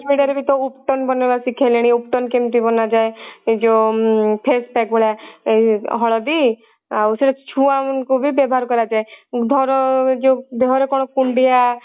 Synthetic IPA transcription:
miɖaɾebit̪ɔupʈɔnbɔnebasikʰeleɽ̃iup̚ʈɔnkemt̪ibɔnad͡ʒaed͡ʒopʰespɛk̚bʱoɭa | ɦɔɭɔd̪i | auseɾɔt͡ʃʰuamɔnkubibɔbʱɔɦaɾkɔɾad͡ʒaed̪ʱɔɾɔd͡ʒod̪eɦɔɾekɔɽ̃ɔkuɳɖija

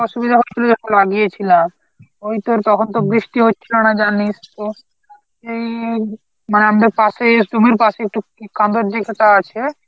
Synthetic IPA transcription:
ɔʃubid̪ʱaɦokuled͡ʒoʃolaɡijet͡ɕʰilam | ojt̪oɾt̪ɔkʰont̪̬obɾiʃʈiɦotːɕʰiɔñad͡ʑanist̪o | ʃej | maneamad̪eɾpasedumiɾpaʃeek̚ʈukʰand̪oɾd̪ekʰet̪aat͡ɕʰe

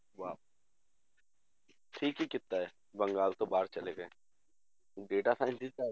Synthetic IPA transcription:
ʋaː | ʈʰiːkɦikɪt̪ːaɛ | bɐ̃ŋɡaːlt̪obaːɾt͡ʃɐleɡɐẽ | ɖeːʈasaːɪ̃nd̪ia

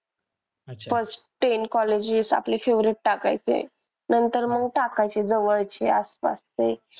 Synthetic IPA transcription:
fəsʈʈenkɔled͡ʑisa̰plefeʋɾiʈ̚ʈaka̰jt͡sḛ | nənt̪əɾməɡ̚ʈakajt͡sed͡zəʋəɭt͡ɕeaspa̰st͡se

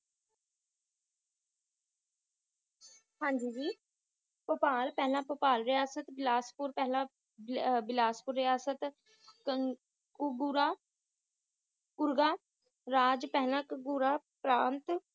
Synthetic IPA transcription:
hãːɲd͡ʒiːd͡ʒiː | pəpaːlpɛːlãːpəpaːlɾɪjaːsət̪bɪlaːspuɾpɛɦlãː | bɪlaːspʊɾːɪjaːsət̪ | ɡɾaː | kʊɾɡaː | ɾaːd͡ʒpɛɦlãːkɡuɾaː | pɾãːnt̪

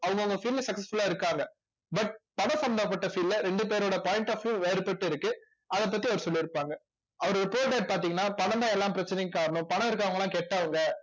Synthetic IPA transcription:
ɐʋɯŋɡɐʋɯŋɡɐfiːllsɐksɐsfʊlaːɪɾɯkːaːŋɡɐ | bɐʈ̚pɐɳɐ̃sɐnd̪aːpːɐʈːɐfiːlːɐɾɛɳɖɯp̬eːɾoːɽɐpaːɪɳʈaːfjʊ̃ʋeːɾɯpːɐʈːɯɪɾɯkːɯ | ɐðɐp̬ːɐt̪ːiɐʋɐɾɯsɔlːiɪɾɯpːaːŋɡɐ | ɐʋɐɾɪpoːʈeːʈ̚paːɾt̪̬iːŋɐnːaːpɐɳɐnd̪aːɛlːãːmpɪɾɐt͡ʃːɐnɛjkːkaːɾɐɳʊ̃pɐɳɐ̃ɪɾɯk̬ːaːʋɐŋɡɐlãːkeːʈːaːʋɐŋɡɐ

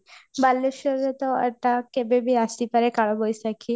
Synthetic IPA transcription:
balːeʃɔɾet̪ɔḛʈakebebiast̪ipaɾekaɭɔbojsakʰi

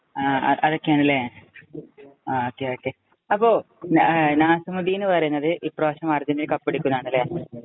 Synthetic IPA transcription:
aːɐ̰ʔɐðo̞kːejaːɳilːɐja | oːkːeoːkːe | ɐpːo̞ː | naːsɐmuðiːinːɨpɐrɐjunːɐðɨʔipːroːɕɐmɐrd͡ʑɐnːilkɐpːeɽikʲːunːaːɳilːɐjaː

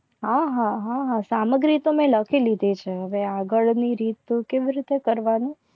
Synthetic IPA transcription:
ɦãɦãɦãɦãsaməɡɾit̪omɛ̃ləkʰilid̪ʱet͡ʃʰeɦəʋeaɡəɭniɾit̪keʋiɾit̪ekəɾʋani

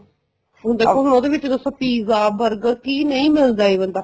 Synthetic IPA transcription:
ɦʊ̃nd̪aːoɦʊñoːd̪eːʋɪt͡ʃd̪əsõːpiːzaːbəɾɡkiːnəĩːmɪld̪aːiːbənd̪aː

